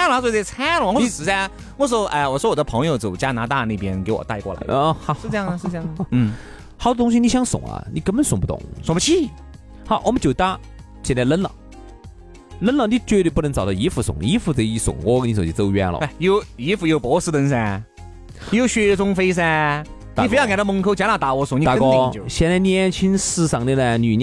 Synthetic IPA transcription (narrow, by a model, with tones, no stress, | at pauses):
a˥lt͡swt͡st͡sʰa˥lxɔ˥˧sɹ̩˧˥˩a˥ | wɔ˥˧ʂ̬̩˧˥o˧ʔa˧wɔ˨˩ʂwɔ˥wɔ˨˩d̪ə˧pʰɤ˧˥ŋjo˧ʊt͡so˨˩ʊt͡ɕja˥na˧˥t̪a˥˧ne˥˩pjɛ˥nke˧˥ɪwɔ̰˨˩t̪a˥˧ɪkwɔ̰˥˩la̰˧ɪ˦˧ʂɻ̩˧ɤ˥˧jɑ˥˩ŋə˩ʂɻ̩˥˧ɤ˥jɑ˥˩˧n̩˥˩ | xʰɑ˨˩ʊd̪ə˧t̪ʊ˥ŋɕ̬i˧ni˧˩ɕjɑ˥ŋsʊ̰˨˩˦ŋɐ̰˧ni˨˩kə˥bə˧nsʊ˨˩ŋp̬u˧t̪ʊ̰˨˩˦ŋsʊ˨˩pt͡ɕʰi˥˩ | xɑ˧˥ʊwʔɔ˨˩mə˦t͡ɕjo˨˩ʊt̪a˥ | t͡ɕʰɛ˧˩nla˧lə˥nlə̰˨˩ | lə˥nlə˧˩ni˧˩t͡ɕɥɛ˥˧t̪e˧˩pu˥nə˧˥ŋt͡sɑ˨˩ʊt̪ɑ˧i˧˥fu˧˩sʊ̰˨˧˦ŋi˧˥fu˧˩t͡si˧˩sʊ̰˨˩ŋwɔ˧kni˧so˨˧˩t͡ɕi˧˩t͡so˧ʊɥɛ̰˧nlɔ̰˧a˧˩jo˧˩ʊi˧˥fu˧˩jo˧˩pɔ˧˥wɔ˧s̩˧t̪ə˧ns̬a˧ | jo˧ʊɕɥɛ˧t͡sʊ˥ŋfe˥ɪs̬ɛ˥˧˨ | fjɑ˥˧ŋka˨˩d̪ə˧mə˧˥ŋkʰo˧ʊt͡ɕja˧˥na˧˩t̪a˧˥wɔ˧˥sʊ˨˧˦ni˧t̪a˧˥kɔ˥˧o˨˩˨ɕjɛ˧˩nla˧˩njnt͡ɕʰi˥nsɹ̩˥˧sɑ˨˩ŋni˧˩lɛ˧˩ny˨˩n˧˥